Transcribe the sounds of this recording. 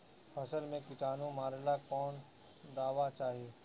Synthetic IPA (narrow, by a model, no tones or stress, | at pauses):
pʰɐsəlmẽkɪʈaːnũmaːɾelakɔːn | d̪aːʋat͡ʃaːɦieː